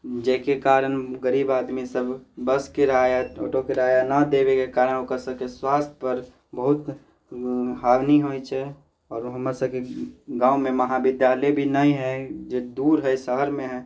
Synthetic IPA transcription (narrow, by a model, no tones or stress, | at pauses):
d͡ʒɛkekaːɾənɡəɾiːbaːd̪misəbbəskeɾajao̰ːʈokeɾaːjanad̪ebekekaɾənokəɾsəbkeswaːst̪ʰpəɾ | bəɦʊt̪ | ɦaːʋniɦojt͡ʃʰɛ | ɔːɾɦəməɾsəb̚keɡãːũmẽməɦabɪd̪jaːləjbʱinəĩɦɛd͡ʒed̪uːɾɦɛsəɦəɾmẽɦɛ